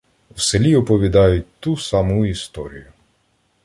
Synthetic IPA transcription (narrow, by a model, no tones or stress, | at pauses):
wselʲiɔpɔʋʲid̪ɑjʊt̚ʲt̪usɑmʊist̪ɔɾʲḭjʊ